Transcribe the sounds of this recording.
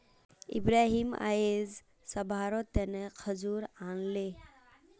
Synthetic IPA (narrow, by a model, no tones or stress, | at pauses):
ḭbɾaɦima̰jez | səbʱaɾɔt̪ːenekʰəd͡ʒuɾanle